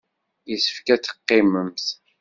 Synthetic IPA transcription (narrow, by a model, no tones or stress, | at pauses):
jəsə̥fkæt͡sːə̥qːɪməmθ